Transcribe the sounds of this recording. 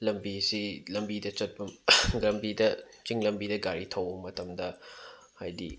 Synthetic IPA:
lɐmbisilɐmbidɐt͡ʃɐt̚bɐmɡɾɐmbidɐ | t͡ʃiŋlɐmbidɐɡaɾitʰɐwbɐmːɐtʰɐmdɐ | ha̰jdḭ

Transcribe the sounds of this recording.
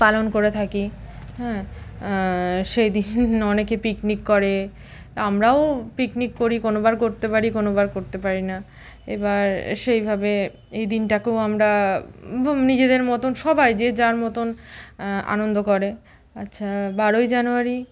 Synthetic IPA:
palonkoɾet̪ʰakiɦɛ̃ | ʃejd̪inɔnekepiknikːɔɾe | amɾaopiknikːoɾikonobaɾkoɾt̪epaɾikonobaɾkoɾt̪epaɾina | ḛbaɾʃejbʱabe | ejd̪inʈakewamɾa | nid͡ʑed̪eɾmɔt̪onʃɔbajd͡ʑed͡ʑaɾmɔt̪on | a̰nond̪okɔɾe | a̰tːʃʰabaɾojd͡ʑanuaɾi

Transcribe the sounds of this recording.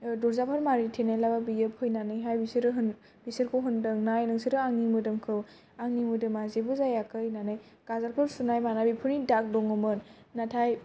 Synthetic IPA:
dɔɾzapʰaɾmaɾitʰenajlababijɯpʰɯjnanɯjɦajbisɾɯɦɯn | bisɯɾkʰɔwɦɯndɯŋnajnɯŋsiɾɯaŋnimɯdɯmkʰɯw | aŋnimɯdɯmazebɯzajakʰɯjnanɯj | ɡ̥azaɾkʰɯɾsunajmanabipʰunidak̚bɔŋɯmɯnː | atʰaj

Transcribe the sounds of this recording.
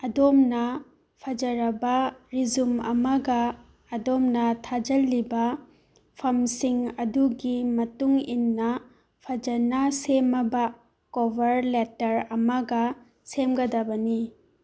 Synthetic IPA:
ɐdomnɐ | pʰɐd͡ʒɐɾɐbɐɾizumɐ̰mɐɡɐː | domnɐtʰad͡ʒɐlːibɐ | pʰɐmsiŋɐduɡimɐtuŋinːɐ | pʰɐd͡ʒɐnɐsemɐbɐ | kobɐɾletɐɾɐmɐɡɐ | semɡɐdɐbɐni

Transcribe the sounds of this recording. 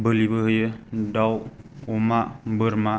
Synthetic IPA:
bəlibəɦjədawumaʔbəɾma

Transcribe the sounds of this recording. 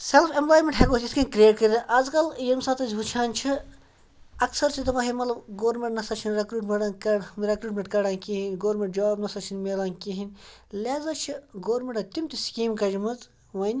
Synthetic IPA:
selfʰemplaːjmeɳʈɦeɡoːt̪ʲiskɐnʲkɾieːʈ̚kɐɾd̪ɐʔɐːzkɐljɐmsaːt̪ɐzʲut͡ʃʰaːnt͡ʃʰi | ɐksɐɾsʰit̪ɐʋɐɦimɐt̪lɐbɡoːɾmeɳʈnɐsɐt͡ʃʰinɾekɾuːʈmeʈankɐɾekɾuːʈmeɳʈkɐɽaːnkiɦinʲɡoːɾmʲeɳʈ̚d͡ʒaːbnɐsɐt͡ʃʰinmeːlaːnkiɦinʲ | laːzɐt͡ʃʰiɡoːɾmʲeɳʈɐt̪imt̪iskiːmkɐd͡ʒimɐz | ʋɐnʲ

